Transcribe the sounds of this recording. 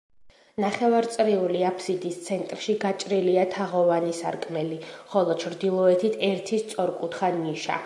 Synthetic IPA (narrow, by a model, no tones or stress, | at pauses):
naχɛvaɾt̪sʼɾiuliapʰsid̪ist̪sʰɛnt̪ʼɾʃiɡat͡ʃʼɾiliat̪ʰaʁɔvanisa̰ɾkʼmɛliχɔlˠɔt͡ʃʰɾd̪ilˠɔɛt̪ʰit̪ʰɛɾt̪ʰist̪sʼɔɾkʼut̪ʰχaniʃa̰